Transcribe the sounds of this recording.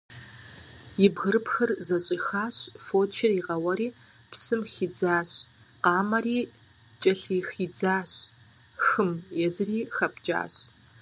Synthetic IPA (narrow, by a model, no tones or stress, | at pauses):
jɪbɣɨɾɨpxɐrzɐɕʼixaːɕfoːt͡ʃʰɪriʁɐwɐɾiː | pʰsɨmxiːd͡zaːɕʼ | qɑːmɐriː | t͡ʃʼɐɬiːxiːd͡zaːɕ | xɨmjɛzɨriːxɐpd͡ʒʼa̰ːɕ